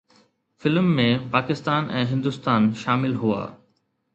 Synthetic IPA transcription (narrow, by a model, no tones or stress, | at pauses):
fɪlmːẽpaːkɪst̪aːnʔɛ̃ːɦɪ̃nd̪ʊst̪aːnʃaːmɪlɦua̰ː